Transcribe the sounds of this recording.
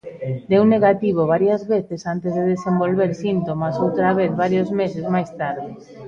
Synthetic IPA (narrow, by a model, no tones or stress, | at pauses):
d̪euwnːeɣat̪iβ̞oβ̞aɾjazβeθesant̪ezðeðesembolβeɾsint̪omasowt̪ɾaβ̞eθβaɾjozmesezmajst̪aɾðɪ